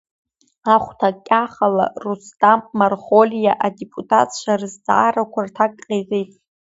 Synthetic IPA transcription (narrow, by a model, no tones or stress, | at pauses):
aχʷtʰakʲʼaχala̰rustʼamːarχolijaʔadepʼutʼʰa̰tʰʼʃʷʰarɨzd͡za̰ːɾakʷʰartʰakʼqʲʼezejtʼ